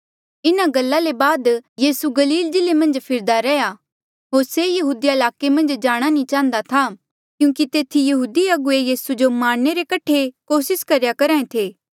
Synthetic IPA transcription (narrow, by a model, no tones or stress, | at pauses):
ɪnaɡɐlːalebaːd̪jiːsuɡɐliːld͡ʒɪlemɐ̃nd͡ʒpʰɪɾd̪aɾɛja | ɦoːɾsejɐɦuːd̪ijaɪlaːkemɐ̃nd͡ʒd͡ʒaːɽ̃anĩt͡ʃãːənd̪at̪ʰa | kjũːkit̪eːt̪ʰijɐɦuːd̪iɐɡʊejiːsud͡ʒomaːɽ̃neɾekɐʈʰːekoːsɪskɐɾjakɐɾãːẽt̪ʰeː